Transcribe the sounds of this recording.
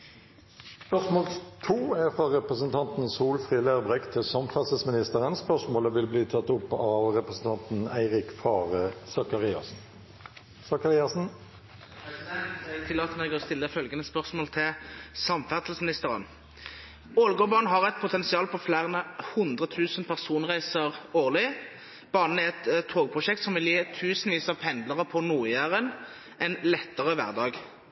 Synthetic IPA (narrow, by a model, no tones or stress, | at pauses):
spœʁsmoːlt̪ʰuːæfʁɑʁɛpʁəsənt̪ʰɑnt̪n̩suːlfʁiːlæːʁbʁɛkt̪ʰɪlsɑmfæʁt̪l̩smɪnɪst̪əʁənspœʁʂmoːləʋɪlbliːt̪ʰɑt̪ːʊpːɑʋʁɛpʁəsn̩t̪ʰɑnt̪n̩æɪʁɪkfɑːʁəsɑkɑʁ | sɑkɑʁɪɑsn̩ | ɛɡ̚t̪ʰɪlːɑːt̪əmeːɡəʁɔst̪ɪlːəfœlɡənəspœʁsmoːlt̪ʰɪlsɑmfæʁt̪lsmɪnɪst̪əʁə̰n | oːlɡɔːbɑʁn̩ɦɑʁɛɪt̪̚pʰʊt̪ʰɛnsɪɑːlpʰɔflæːʁənəhʊnd̪ʁət̪ʰʉːsənpʰæʁsuːnʁæɪsəʁoːʁlɪ | b̥ɑːnn̩ɛʁɛt̪t̪ʰːoːɡpʰʁʊʃɛk̚t̪sɔmʋɪljeːt̪ʰʉːsnʋiːsɑpʰɛnd̪ləʁəpʰɔnuːɪəʁən | ʔɛnlɛt̪ːəʁəʋæ̰ʁd̪ɑːɡ